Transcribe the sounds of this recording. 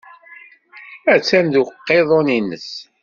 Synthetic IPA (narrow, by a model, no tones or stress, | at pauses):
æt͡sːænd̪uqːeðˤoninəs